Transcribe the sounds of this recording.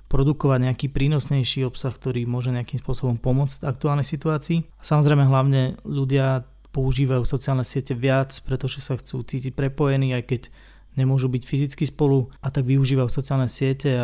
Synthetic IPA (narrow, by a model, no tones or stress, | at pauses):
pɾɔd̪ukɔʋaɟɲɛakiːpɾiːnɔsɲɛjʃiːɔpsaxk̚t̪ɔɾiːmʊɔʒɛɲɛakimspʊɔsɔbɔmpɔmʊɔt͡st̪ak̚t̪uaːlnixsit̪uaːt͡siːasamɔzɾɛjmɛɦlaʊɲɛʎuɟɪa | pɔuʒiːʋajuːfsɔt͡siaːlnɛsɪɛcɛʋɪat͡spɾɛt̪ɔʒɛsaxt͡sṵːt͡siːcic̚pɾɛpɔjɛniːajkɛɟ | ɲɛmʊɔʒubicfizit͡skispɔluat̪aɡʋiuʒiːʋajuːsɔt͡siaːlnɛsɪɛcɛ